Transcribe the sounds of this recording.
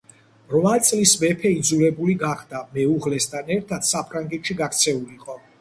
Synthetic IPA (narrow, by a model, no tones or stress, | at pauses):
ɾvat̪sʼlismɛpʰɛid̪zuɾɛbuliɡaχd̪amɛuʁlɛst̪ʰanɛɾt̪ʰat̪sapʰɾaŋɡɛt̪ʃiɡakʰt̪sʰɛuliqʼɔ